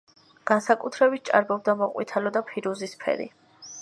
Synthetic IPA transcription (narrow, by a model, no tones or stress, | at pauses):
ɡ̥ansakʼut̪ʰɾɛbit̪̚t͡ʃʼa̰ɾbɔb̚d̪amɔqʼwit̪ʰalɔd̪apʰiɾuzispʰɛ̰ɾḭ